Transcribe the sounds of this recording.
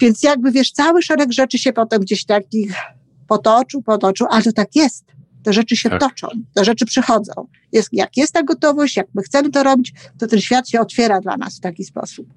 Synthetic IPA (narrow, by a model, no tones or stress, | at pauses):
vʲjɛnt̪sjaɡ̚bɘvʲjɛʂt̪sawɘʂɛɾɛɡʐɛt͡ʂɘɕɛpɔt̪ɛmɡd͡ʑeɕt̪akʲix | pɔt̪ɔt͡ʂɨwpɔt̪ɔt͡ʂɨwʔalɛt̪ɔt̪akjɛst̪ː | ɛʐɛt͡ʂɘɕɛt̪ɔt͡ʂɔ̰̃w̃t̪ɛʐɛt͡ʂɘpʂɛxɔd̪zɔ̰̃w̃ | jɛsja̰kjɛst̪ːaɡɔt̪ɔvɔɕt͡ɕjak̚mɘxt̪sɛmɘt̪ɔɾɔbʲit͡ɕt̪ɔt̪ɛnɕfʲjat̪ɕɛɔt̪fʲjɛɾad̪la̰na̰sft̪akʲispɔ̰sup̚